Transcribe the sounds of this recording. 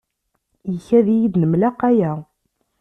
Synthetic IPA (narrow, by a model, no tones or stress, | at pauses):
jəçæðijiðnəmlæqæjæ